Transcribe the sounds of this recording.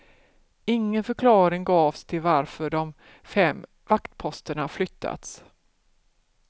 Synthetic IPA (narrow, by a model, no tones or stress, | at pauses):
ɪŋːənfœkʰlɑːɾɪŋɡɑːvst̪ʰɪlvaɾfœɖɔm | fɛmː | vakt̪pʰɔst̪əɳaflʏt̪ʰːa̰t̪s